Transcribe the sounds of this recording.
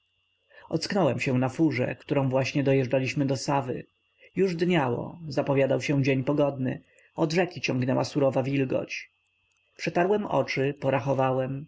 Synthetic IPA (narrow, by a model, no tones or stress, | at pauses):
ɔt̪sknɔwɛmɕɛ̃nafuʐɛ̰kt̪uɾɔ̃vwaɕɲɛd̪ɔjɛʐɖalʲiɕmɘd̪ɔsavɘ̰ | juʐd̪ɲawɔ̰zapɔvʲjad̪awɕɛ̃d͡ʑeɲpɔɡɔd̪nɘ̰ | ɔd̪ʐɛkʲit͡ɕɔ̃ŋɡnɛwa̰suɾɔvavʲilɡɔ̰t͡ɕ | pʂɛt̪aɾwɛmɔ̰t͡ʂɘpɔɾaxɔvawɛm